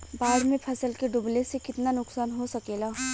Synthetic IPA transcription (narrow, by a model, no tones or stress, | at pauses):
baːɽmẽpʰɐsəlkeɖʊblesekɪt̪nanʊksaːnɦosɐkeːla